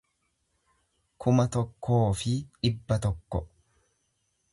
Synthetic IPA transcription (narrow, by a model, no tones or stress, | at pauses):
kʰʊmɐt̪ɔkːo̞ːfɪɪbːɐt̪ɔkːɔ